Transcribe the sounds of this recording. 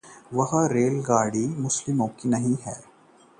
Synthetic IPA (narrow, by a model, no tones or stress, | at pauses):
ʋɐɦɾeːlɡaːɽimʊslɪmõːkinɐɦĩɦɛː